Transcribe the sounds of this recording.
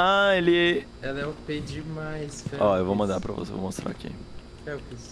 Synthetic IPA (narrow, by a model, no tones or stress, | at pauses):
aelɪ | ɛlɛʊped͡ʒɪmajsfɔewvowmɐ̃nd̪aɾpɾɐ̰vo̰sevo̰most̪ɾa̰kḛ̃ | ɛʊke